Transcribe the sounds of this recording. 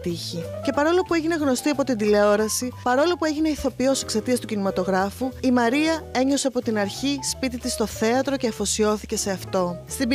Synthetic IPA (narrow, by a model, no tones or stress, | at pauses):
t̪içice̞pɐɾo̞lo̞pue̞ʝine̞ɣno̞st̪iɐpo̞t̪ind̪ile̞o̞ɾɐsipɐɾo̞lo̞pue̞ʝine̞iθo̞pio̞se̞kse̞t̪iɐst̪ucinimɐt̪o̞ɣɾɐfuimɐɾiɐe̞ɲo̞se̞ɐpo̞t̪inɐɾçispit̪it̪ist̪o̞θe̞ɐt̪ɾo̞ce̞ɐfo̞sio̞θice̞se̞ɐft̪o̞st̪ib